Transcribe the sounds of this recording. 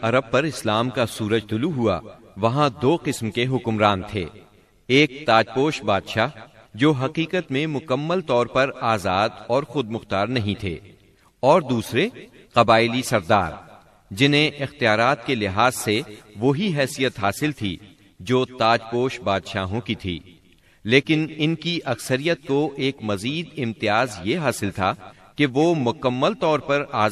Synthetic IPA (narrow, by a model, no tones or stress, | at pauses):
ɐɾəb̚pɐɾɪslaːmkasuːɾəd͡ʒt̪ʊluɦua̰ | ʋɐɦãd̪oːqɪsmkeɦʊkmɾaːnt̪ʰḛː | eːk̚t̪aːd͡ʒpoːʃbaːd̪ʃaːɦ | d͡ʒoːɦɐqiːqət̪mẽmʊkəmːəlt̪ɔːɾpɐɾaːzaːd̪ɔːɾxʊd̪̚mʊxt̪aːɾnɐɦĩt̪ʰḛː | ɔːɾd̪uːsɾe | qɐbaːɪlisɐɾd̪a̰ːɾ | d͡ʒɪnɦẽʔɪxt̪ijaːɾaːt̪kelɪɦaːzseʋoɦiɦɛːsijət̪ɦaːsɪlt̪ʰḭ | d͡ʒoːt̪aːd͡ʒpoːʃbaːd̪ʃa̰ːɦõkit̪ʰḭː | leːkɪnɪnkiʔɐksəɾijət̪̚koʔeːkmɐziːd̪ɪ̃mt̪ɪjaːzjeɦaːsɪlt̪ʰa | keʋoːmʊkəmːəlt̪ɔːɾpɐɾaː